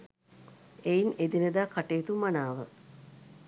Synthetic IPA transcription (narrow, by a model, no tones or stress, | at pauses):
ejned̪inəd̪akaʈeːt̪umːanaːʋə̰